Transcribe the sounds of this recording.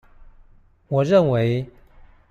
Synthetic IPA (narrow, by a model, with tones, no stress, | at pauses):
wɔ˨˩ɻə˥˨nwe˧˦˥ɪ